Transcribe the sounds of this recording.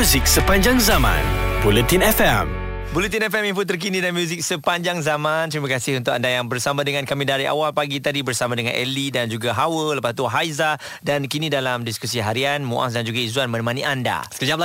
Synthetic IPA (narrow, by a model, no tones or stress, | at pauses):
uzik̚səpaɲd͡ʒaŋzamã̰nbulət̪inɛfɛm | bulət̪inɛfɛminfut̪̬ərk̬inĩdamjuzik̚səpaɲd͡ʒaŋzamãnt̪ɾimakasɪhunt̪ʊkandajaŋbərsamãdəŋãnkamĩdaɾiʔa̰walpaɡit̪adibərsamãdəŋã̰nʔɛlidand͡ʒuɡaɦawələpast̪uɦajza | dankinĩdalamdiskus̬iɦaɾianmṵʔa̰s̬dand͡ʒuɡaizuanmə̃nəmãnianda̰sə̥kəd͡ʒap̚l